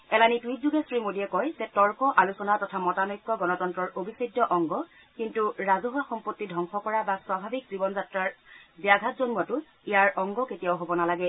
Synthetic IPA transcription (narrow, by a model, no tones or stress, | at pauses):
ɛlanitwit̚zuɡɛsɹimodiɛkɔjzɛtɔɹkɔʔalusɔnatɔtʰamɔtanojkːɔɡɔnɔtɔntɹɔɹʔobʱisɔdːɔʔɔŋɡɔ | kintuɹazɔɦaxɔmpotːidʱɔŋxɔkɔɹabaswabʱabik̚zibɔnzatɹaɹbijaɡʱatzɔnmatʊ | ijaɹɔŋɡɔketijawɦobɔnalaɡɛ